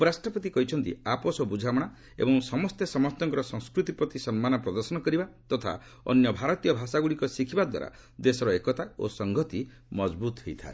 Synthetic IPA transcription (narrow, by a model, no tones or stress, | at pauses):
pɔɾasʈɾɔpɔt̪ikɔɦit͡ʃʰɔnt̪ḭapɔsɔbud͡ʒʱamɔɽ̃a | ḛbɔŋsɔmɔst̪esɔmɔt̪ɔŋkɔɾɔsɔŋskɾut̪ipɾɔt̪isɔnmanɔpɾɔd̪ɔɾsɔnɔkɔɾibat̪ɔt̪ʰa̰ | ɔ̰njɔbʱaɾɔt̪ijɔbʱasaɡuɭikɔsikʰibad̪wa̰ɾa̰ | d̪esɔɾɔekɔt̪ao̰sɔŋɡʱɔt̪i | mɔd͡ʒbut̪ɔɦejt̪ʰa̰e